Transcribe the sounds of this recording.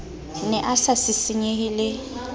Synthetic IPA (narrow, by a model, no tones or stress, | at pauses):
nɛʔasasɪsɪɲeɦɪlɪ